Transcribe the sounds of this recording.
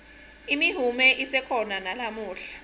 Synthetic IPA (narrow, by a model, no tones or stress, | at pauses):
imiɦumɛʔisɛkʰɔnanalamuːɬḁ